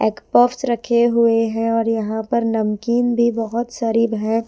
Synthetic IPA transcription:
ɛːkpɔːfsɾɐkʰeɦʊeɦɛ̃ɔːɾjɐɦãpɐɾnɐmkiːnbʱibɐɦʊt̪saːɾibɦɛ̃ː

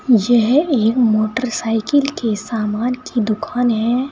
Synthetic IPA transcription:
jɛɦeːkmoːʈəɾsaːɪkɪlkesaːmaːnkʰid̪ʊkʰaːnɦɛ̃

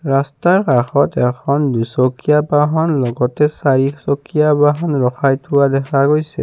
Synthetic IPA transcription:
ɹastaɹkaxɔtɛkʰɔndusokijabaɦɔnlɔɡɔtɛsaɹiksokijabaɦɔnɹɔxʰajtʰʊwadɛkʰaɡojsɛ̰

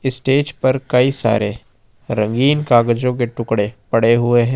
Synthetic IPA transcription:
ɪsʈeːd͡ʒpɐɾkɐisa̰ːɾe | ɾɐ̃ŋɡiːnkaːɡəd͡ʒõk̬eʈʊkɽepɐɽeɦʊeɦɛ̃

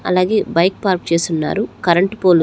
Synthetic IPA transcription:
ɐ̰laːɡe̞ːbɐjk̚paːɾp̚t͡ʃe̞ːst̪unːa̰ːɾukɐɾɐɳʈpoːlu

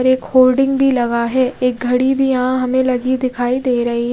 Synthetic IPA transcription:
ɾeːkhoːlɖɪ̃ŋɡbʱilɐɡaɦɛːeːk̚ɡʱɐɽibʱijɐɦãɦɐmẽlɐɡid̪ɪkʰaːid̪eːɾɐɦiɦ

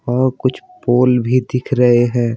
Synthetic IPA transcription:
ɔːɾkʊt͡ʃʰpoːlbʱid̪ɪkʰɾəɦeɦɛ̃ː

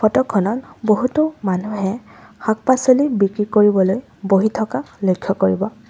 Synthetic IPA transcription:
fʰɔtɔkʰːɔnɔtboɦutʊmanuɦɛ | xak̚pasolibikɹikoɹibɔloj | boɦitʰɔkalojkʰːjɔkoɹibɔ

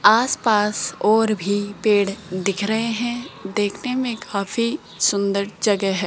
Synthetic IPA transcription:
aːspaːsɔːɾbʱipeːɽd̪ɪkʰɾɐɦeɦɛ̃d̪eːkʰnemẽkʰaːfi | sʊ̃nd̪əɾd͡ʒɐɡɛɦɛː

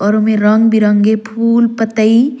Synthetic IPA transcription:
ɔɾomeɾəŋɡbiɾəŋɡepʰuːlpət̪əi

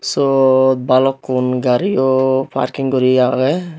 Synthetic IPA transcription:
sɔt̪̚balɔkːunɡaɾiɔpʰa̰ɾkiŋɡɔɾiaɡɛ

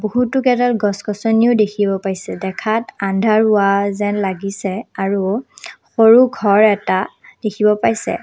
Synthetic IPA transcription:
boɦutʊkɛdalɡɔskɔsɔniʊdekʰibɔpajsɛdɛkʰatandʱaɹʊwazɛnlaɡisɛaɹuxoɹuɡʱɔɹɛta | d̥ekʰibɔpajsɛ̰

